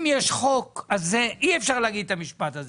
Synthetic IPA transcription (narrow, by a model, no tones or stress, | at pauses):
mjeʃχo̞kazeʔiefʃaʁleaɡid̪̚t̪amiʃpat̪aze